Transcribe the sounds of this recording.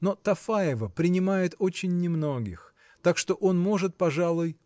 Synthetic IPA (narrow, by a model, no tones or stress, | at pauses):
no̞t̪ɐfaɪvəpɾʲɪnʲɪmajɪt̪o̞t͡ɕɪnʲːɪmno̞ɡʲɪx | t̪akʂt̪o̞ʔo̞nmo̞ʐɨt̪̚pɐʐalˠʊj